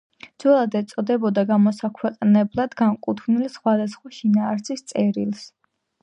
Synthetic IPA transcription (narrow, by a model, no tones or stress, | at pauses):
d̪z̥wɛlˠad̪ɛt̪sʼɔd̪ɛbɔd̪aɡamɔsakʰwɛqʼnɛblˠad̪ɡankʼut̪ʰvnilisχwad̪asχwaʃinaːɾsist̪sʼɛɾilˠs